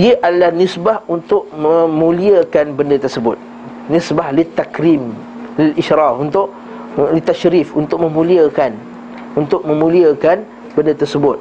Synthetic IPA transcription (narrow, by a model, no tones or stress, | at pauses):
iəʔadalahnisbahunt̪ʊʔ̚mə̃mũliəkanbəndət̪ərsəbʊt̪̚ | nisbahlit̪ːakɾim | lɪliʃɾɑfunt̪ʊʔ | lit̪aʃɾifunt̪ʊʔ̚mə̃mũliakan | unt̪ʊʔ̚mə̃mũliakan | bəndət̪ərsəbʊt̪̚